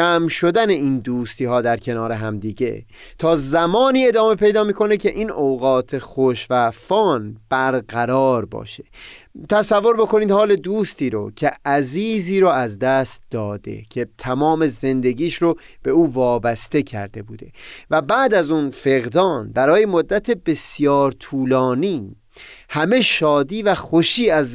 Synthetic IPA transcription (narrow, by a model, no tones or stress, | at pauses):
æmʃo̞d̪æne̞iːnd̪uːst̪iːɦɒːd̪æɾcʰe̞nɒːɾe̞ɦæmd̪iːɟe̞̰ | t̪ʰɒːzæmɒːniːe̞d̪ɒːme̞pʰe̞jd̪ɒːmiːkʰo̞necʰe̞ʔiːnoɣɒːt̪ʰe̞xoʃvæfɒːnb̥æɾɡæɾɒːɾbɒ̰ːʃe̥t̪ʰæsævːo̞ɾbo̞ko̞niːd̪hɒːle̞d̪uːst̪iːɾo̰cʰeʔæziːziːɾɔːæzd̪æst̪̚d̪̥ɒːd̪e̞̰cʰet̪ʰæmɒːme̞ze̞nd̪e̞ɟiːʃɾo | b̥e̞uːvɒːbæst̪e̞cʰæ̰ɾd̪e̞buːd̪e̞̰væbæːd̪æzuːnfe̞ɣd̪ɒːnbæɾɒːje̞mod̪ːæt̪ʰe̞be̞sjɒːɾt̪ʰuːlɒːniː | hæme̞ʃɒːd̪iːvæxo̞ʃiːæz